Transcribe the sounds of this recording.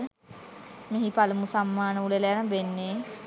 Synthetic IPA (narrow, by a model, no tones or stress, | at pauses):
meɦipalumusamːaːnəulelejanəbenːe